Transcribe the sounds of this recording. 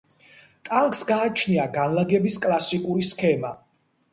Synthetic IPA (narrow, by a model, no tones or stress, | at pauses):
t̪ʼaŋkʰʼsɡaːt͡ʃʰniaɡanlaɡɛbiskʼlˠasikʼuɾiskʰɛma